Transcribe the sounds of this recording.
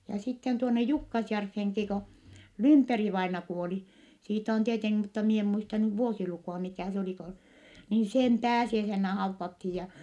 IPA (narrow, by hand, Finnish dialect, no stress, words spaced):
jɑ sitːen tuonːe jukːɑsjærfːeŋki ko lymperiʋɑinɑ kuoli siːt on tieteŋki mutːɑ mie em muistɑ nyʋ ʋuosilukuˑɑ mikæˑ s oliˑ ko niː sem pæːsiæisenːæ hɑuʋːɑthij jɑ